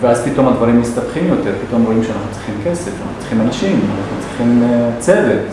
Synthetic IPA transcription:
veazpit̪o̞mad̪vaʁimːist̪atχimjo̞t̪eʁpit̪o̞mʁo̞imʃeanaχnut͡sʁiχimkesefana̰nu̥t͡si̥ximanaʃimanaχnut͡sʁiχimt͡sevet̪

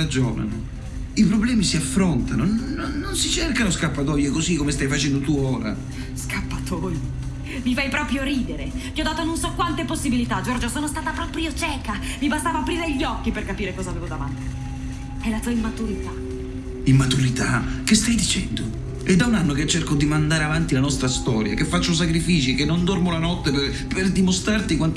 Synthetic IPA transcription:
ad͡ʒɔːna̰no | ipɾoblɛːmisiafːɾont̪anonoːonsit͡ʃerkanoskapːat̪ɔjɛkozikːomest̪ajfat͡ʃɛnd̪ot̪uoːɾa̰ | skapːat̪ʰoːj | mifajpɾɔːpɾjoɾiːd̪eɾevjiɔd̪ːaːt̪ononsɔkːwant̪eposːibilit̪ad͡ʒɔrd͡ʒosoːnost̪aːt̪apɾɔpɾjot͡ʃɛːkavibast̪avoapɾiːɾeʎːɔkːiperkapiːɾekɔːzaːveːvod̪ava̰nt̪i̥ | ɛlat̪uːaimːat̪uɾit̪a | imːat̪uɾit̪ak̟est̪ajd̪it͡ʃɛnd̪o | ɛd̪ːaunanːoket͡ʃːerkod̪imand̪aːɾeavant̪ilanɔst̪ɾast̪ɔːɾja̰kefːat͡ʃːos̬akɾifiːt͡ʃikenːond̪ɔrmolanɔt̪ːep | perd̪imost̪ɾart̪ikwant̪

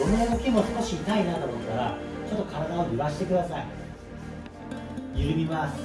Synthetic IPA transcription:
eneokʲimo̞sɨ̥ko̞ɕiːt̪ainad̪omot̪ːaɾa̰t͡ɕo̞t̪ːo̞kʰaɾad̪aoɯβaɕi̥t̪e̞kɯ̟d̪asai | jɯɾɯ̟mʲimasɨ̥

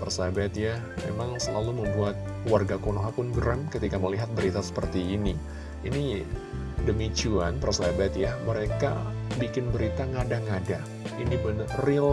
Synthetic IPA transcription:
pərsabat̪ja | mḛmaŋsəlaluməmbuat̪̚ | warɡakonoɦapʊnɡəɾamkət̪ikaməliɦat̪̚bəɾit̪asə̥pərt̪iːni | ini | dəmit͡ʃuanpərsabat̪jaməɾeka̰bikɪnbəɾit̪aŋadaŋada | inibənril

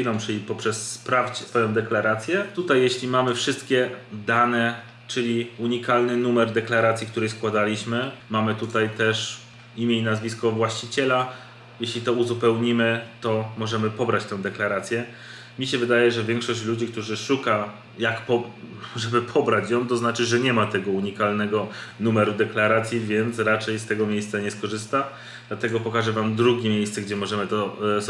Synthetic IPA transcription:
jlɔ̃wmt͡ʂɘlʲipɔpʂɛsːpɾaft͡ɕɛsfɔjɔ̃d̪ɛklaɾat̪sʲjɛt̪ut̪ajːeɕlʲimamɘfʂɘst̪kʲɛd̪anɛ | t͡ʂɘlʲiuɲikalnɘnumɛɾd̪ɛklaɾat̪sʲjikt̪uɾɛjskwad̪alʲiɕmɘmamɘt̪ut̪ajt̪ɛʂ | imʲeinazvʲiskɔvwaɕt͡ɕit͡ɕɛla | jeɕlʲit̪ɔuzupɛwɲimɘt̪ɔmɔʐɛmɘpɔbɾat͡ɕt̪ɛ̃w̃d̪ɛklaɾat̪sʲjɛ | mʲiɕɛvɘd̪ajɛʐɛvʲjɛŋkʂɔɕt͡ɕlud͡ʑik̚t̪uʐɘʂuka | jakpɔʐɛbɘpʰɔbɾat͡ɕjɔw̃t̪ɔznat͡ʂɘʐɛɲɛmat̪ɛɡɔuɲikalnɛɡɔnumɛɾud̪ɛklaɾat̪sʲjivʲjɛnt̪sɾat͡ʂɛjst̪ɛɡɔmʲjejst̪saɲɛskɔʐɘst̪a | d̪lat̪ɛɡɔpɔkaʐɛvamd̪ɾuɡʲemʲjejst̪sɛɡd͡ʑɛmɔʐɛmɘt̪ɔ

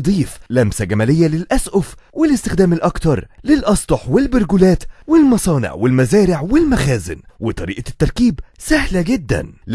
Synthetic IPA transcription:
d̪ˤiːflæmsæɡæmælɪjːælɪlʔæsʔʊfwɪlɪst̪ɪxd̪æːmɪlʔɑkt̪ɑɾˤlɪlʔɑsˤt̪ˤoħwɪlbʊɾɡʊlæːt̪wɪlmɑsˤɑːnɪ̰ʕwɪlmæzæːɾɪʕwɪlmæxæːzɪ̰nwɪt̪ˤɑɾiːʔɑt̪ːɑɾˤkiːbsæhlæɡɪd̪ːæ̰nl

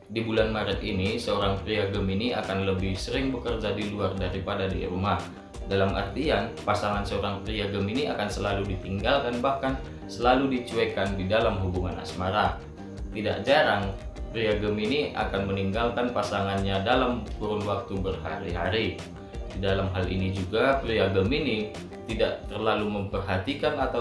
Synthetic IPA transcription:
dibulanmaɾət̪̚inisəoɾaŋpɾiaɡəminia̰kanləbɪhsəɾɪŋbəkərd͡ʒadiluardaɾipadadḭɾumah | dalamʔə̰rt̪ianpasaŋansəoɾaŋpɾiaɡəminiakansəlaludit̪iŋɡalkanbahkan | səlaludit͡ʃuɛkandidalamɦubuŋana̰smaɾa | t̪ida̰ʔd͡ʒaɾaŋpɾiaɡəminiʔa̰kanməniŋɡalkanpasaŋanɲadalamkuɾʊnwak̚t̪ubərhaɾiɦaɾi | didalamɦalḭnid͡ʒuɡapɾiaɡəmini | t̪idaʔt̪ərlaluməmpərɦat̪ikanat̪a

